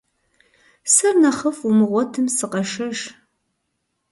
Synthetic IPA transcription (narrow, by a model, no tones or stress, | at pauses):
sɐrnɐχɐfumɨʁʷɔtʰɨmsɨqɐʂɐʒ